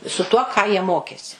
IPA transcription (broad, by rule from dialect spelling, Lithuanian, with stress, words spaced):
sʊ tuɔ ˈkɑː jiɛ ˈmoːkʲeːsʲɪ